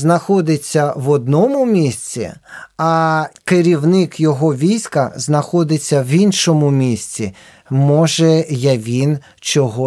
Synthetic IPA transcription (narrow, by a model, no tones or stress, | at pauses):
znɐxɔd̪ɪt͡sʲːɐʋɔd̪̚nɔmʊmʲisʲt͡sʲḭɐkeɾʲiwnɪkjɔɦɔʋʲijsʲkɐznɐxɔd̪ɪt͡sʲːɐʋinʃɔmʊmʲisʲt͡sʲi | mɔʒɛjɐʋʲin | t͡ʃɔɦɔ